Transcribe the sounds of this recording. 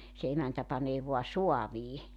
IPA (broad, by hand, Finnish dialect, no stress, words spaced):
se emæntæ pɑneː ʋoɑ soɑʋiː